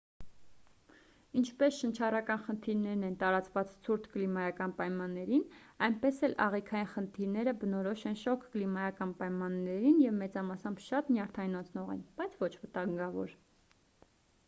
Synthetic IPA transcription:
int͡ʃʰpɛsʃənt͡ʃʰɑrɑkɑnχənt̪ʰiɾnɛɾnɛnt̪ɑɾɑt͡svɑt͡st͡sʰuɾt̪ʰklimɑjɑkɑnpɑjmɑnːɛɾinɑjnpɛsɛlɑ̰ʁikʰɑjinχənt̪ʰiɾnɛɾəbənɔɾɔʃɛnʃɔkʰklimɑjɑkɑnpɑjmɑnːɛɾinjɛvmɛt͡sɑmɑsɑmbʃɑt̪njɑɾt̪ʰɑjnɔt͡sʰnɔʁɛ̰nb̥ɑjt͡sʰvɔt͡ʃʰvət̪ɑŋɡɑvɔ̰ɾ

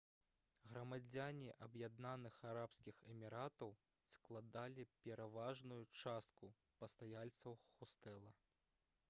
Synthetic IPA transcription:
ɣɾɐmad͡zʲanʲiʔɐbjad̪nanɨxaɾapskʲixɛmʲiɾat̪ɐw | sklˠad̪alʲipʲɛɾʔavaʐnujut͡ʂast̪̚ku | pɐst̪ajalʲt̪sɐwxust̪ɛlˠɐ

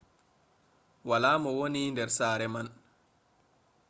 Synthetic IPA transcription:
walaːmɔwonindɛɾsaːɾɛman

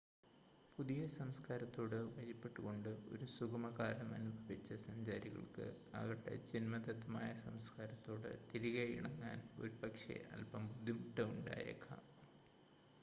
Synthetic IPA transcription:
puðijɐsɐmskaːɾɐt̪ːo̞ːɽɨʋɐjipːe̞ʈːuɣo̞ɳɖɨo̞̰ɾusukɐmɐɣaːlɐmɐnubʱɐʋit͡ɕːɐsɐmd͡ʑaːɾiɣɐ̰ɭkɨ̰ | ɐ̰ʋɐʈːḛd͡ʑinmɐd̪ɐt̪ːɐmaːjɐsɐmskaːɾɐt̪ːo̞ːɽɨ̰t̪iɾiɣɐjiɳɐŋːa̰ːnoɾupɐkʂḛʔɐ̰lpɐmpud̪imuʈːɐuɳɖa̰ːjɐ̰kːɐ̰

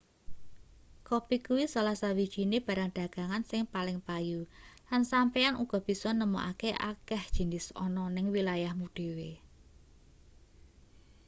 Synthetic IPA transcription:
kopikuwisalahsawid̥ʒ̥i̤neb̥a̤ɾaŋɖ̪̥ä̤ɡ̥a̤ŋansɪŋpalɪŋpajulansampɛanuɡ̥ɔ̤b̥i̤sɔnəmo̰ʔa̰keʔa̰kɛhd̥ʒ̥i̤nɪsɔ̰nɔnɪŋwilajahmuɖ̥e̤we

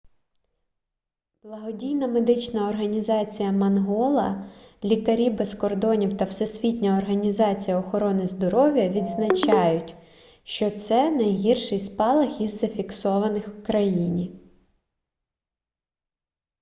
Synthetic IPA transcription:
b̥lˠɐɦɔdʲijnɐmed̪ɪt͡ʃnɐɔrɦɐnʲizɑt͡sʲijɐmɐnɦɔlˠɐlʲikɐɾʲibeskɔrd̪ɔnʲiwt̪ɐwsesʲʋʲitʲnʲɐɔrɦɐnʲizɑt͡sʲijɐɔxɔɾɔnɪzd̪ɔɾɔʋʲjɐʋʲid̪znɐt͡ʃɑjʊtʲ | ʃt͡ʃɔt̪sɛnɐjɦirʃɪjspɑlˠɐxizːɐfʲiksɔʋɐnɪxwkɾɐjinʲi

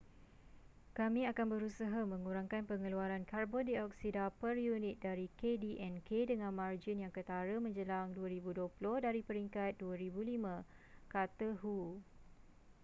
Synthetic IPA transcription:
kamĩakanbəɾusaɦamə̃ŋuɾaŋkanpəŋəluaɾankarbɔndiɔk̚sidapərjunɪt̪̚daɾikediʔɛnkedəŋãnmard͡ʒinjaŋkət̪aɾəmə̃ɲd͡ʒəlaŋduaɾibudoplʊhdaɾipəɾiŋkat̪̚duaɾibulimã | kat̪əɦu

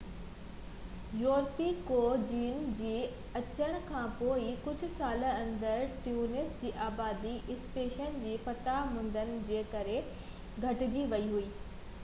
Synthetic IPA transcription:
joːɾpikoːd͡ʑiːnd͡ʑiː | ɐt͡ɕəɽ̃̆kʰãːpoːikʊd͡ʑʱʊ̆saːlə̆ɐ̃nd̪əɾʈjuːnɪsd͡ʑiːʔaːbaːd̪iʔɪspeːʃənd͡ʑiːfɐt̪amʊ̃n̆d̪ənɪ̆d͡ʑeːkɐɾe | ɡʱɐʈɪd͡ʑiʋɐiɦuiː

